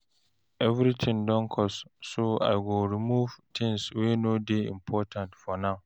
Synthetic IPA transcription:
ɛvɾitʰɪ̃ŋdɔ̃nkʰɔssoa̰ɪɡoɹimuvtʰɪ̃ŋswenodeḭ̃mpʰɔtʰãntfɔnãʊ

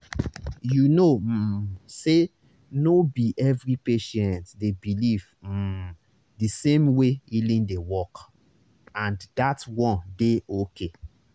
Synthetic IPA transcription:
junose | nobiʔɛvɹipeʃɛ̃ntdebiliv̩ | disẽmweilĩndewɔk | ãndatwɔ̃ndeokʰe

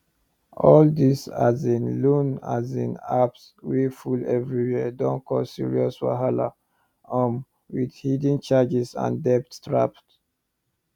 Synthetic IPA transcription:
ʔɔldisazĩnlũnazĩnaps | wefulɛvɹiwɛdɔ̃nkɔsḭɹiɔswa̰ɦala̰ | ɔ̃m | widhidĩnt͡ʃad͡ʒizã̰ndɛp̚ttɹapt

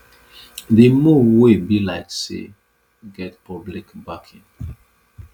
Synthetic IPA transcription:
demuwebilaɪksḛ | ɡɛt̚pɔblikbakʰĩŋ

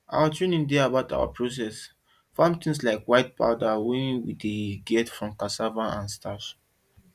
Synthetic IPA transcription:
a̰watʰɹenĩndeabaʊta̰wa̰pʰɹos̬ɛs | fãmt̪ĩŋs̬laɪkwaɪt̚pa̰ʊdawɛ̃wḭdeɡɛtfɹɔ̃mkasavaãnstʰas

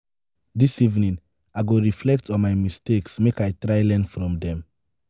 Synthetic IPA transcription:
disivnĩn | aɪɡoɹiflɛk̚tʰɔ̃nmaɪmisteksmekaɪtɹaɪlɛ̃nfɹɔ̃mdɛ̃m

